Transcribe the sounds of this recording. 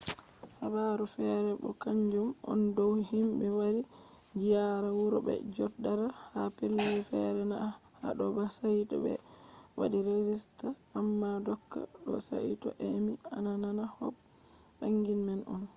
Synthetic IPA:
habaɾufɛɾɛbɔ̰kaɲd͡ʒumɔ̰ndowhimbɛwaɾi | d͡ʒijaɾawuɾɔbɛ̰d͡ʒɔdːaɾahapɛlːiwifɛ̰ɾɛna | ha̰ɗɔbasajitɔ̰bɛ̰ | wa̰ɗiɾed͡ʒistaːmːadɔkːa̰ɗɔ̰sa̰itɔ̰ʔemianananahɔ̰b | ɗaŋɡinːɛnɔn

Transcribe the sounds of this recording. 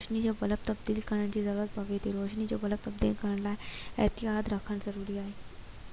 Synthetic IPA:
oʂɳid͡ʑabələp̚t̪əbd̪iːlkəɽãt͡ɕiːzəɾuɾət̪̚bʱaʋet̪iɾoʂɳid͡ʑabələp̚t̪əbd̪iːlkəɾɳlaɛ̰t̪iɦad̪ɾakʰəɳd͡zəɾuɾiːaɦe

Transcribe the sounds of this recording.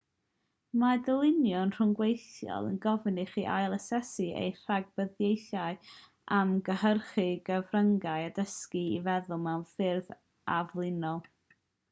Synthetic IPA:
madəlˠɪnjɔnr̥ʊŋɡwejθja̰lˠə̰nɡɔvɪniχiːʔa̰jlˠəsɛsiḛjraɡ̚bəðjejθaɨ | ʔamɡəhərχɨɡəvrəŋɡajadəskiivɛðʊlˠmɛwnfɪrð | avlˠɪnɔlˠ

